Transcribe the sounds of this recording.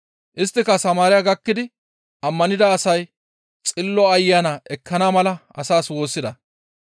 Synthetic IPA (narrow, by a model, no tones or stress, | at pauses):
ʔɪst̪ːɪkɐsɐmaːɾɪjaɡɐkːɪd̪ɪ | ʔɐmːɐnɪd̪ɐːsɐj | t͡sʼɪlːɔɐjːaːnaʔɛkʰːɐnaːmɐlɐɐsaːswo̞ːsːɪd̪ɐ